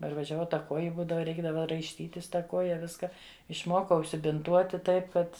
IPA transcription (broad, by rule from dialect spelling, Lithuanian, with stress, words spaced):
pɐrʋɐʒʲɛˈʋɐʊ ˈtɐ ˈkuɔjɪ ˈbuːdɐʋɐ ˈrʲɛɪɡdɐʋɐ rɐɪʃʲˈtʲiːtʲɪs ˈtɐ ˈkoːjɛ ˈʋʲɪskɐ ɪʃˈmoːkɐʊ ʊʃʲsʲɪbʲɪnˈtuɔtʲɪ ˈtɐɪp ˈkɐt